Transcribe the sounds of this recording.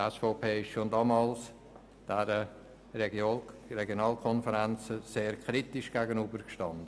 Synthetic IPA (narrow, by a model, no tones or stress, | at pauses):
ɛsfoːpʰeːɪʃʃondɑːmɑːls | d̥ɛɾə | ɾɛɡjonɑːlkʰɔnfəɾɛnt͡səseːɾkʰɾitɪʃɡ̥æɡənybəɾkʃtɑndə